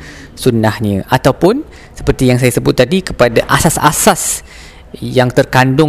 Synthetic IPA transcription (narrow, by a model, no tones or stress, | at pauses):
sunahɲə̃ʔat̪awpʊn | sə̥pərt̪ijaŋsajasəbʊt̪̚ːadikəpadaʔasasa̰sas | jaŋt̪ərkandʊ